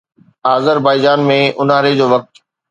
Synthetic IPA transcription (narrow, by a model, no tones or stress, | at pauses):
aːzəɾbaːɪd͡ʑaːnmẽʔʊnaːɾed͡ʑoːʋɐk̚t̪